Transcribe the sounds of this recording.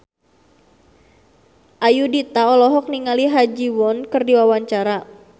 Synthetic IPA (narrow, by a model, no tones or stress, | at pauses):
ʔajudit̪aɔlɔɦɔk̚niŋaliɦad͡ʒiwɔnkɨrdiwawaɲt͡ʃaɾa